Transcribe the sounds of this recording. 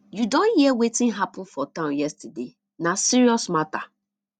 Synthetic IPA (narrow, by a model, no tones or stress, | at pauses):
judõnhiɛwetɪ̃nɦapʊ̃n̩fɔtãʊ̃njɛstade | nasiɹiɔsmata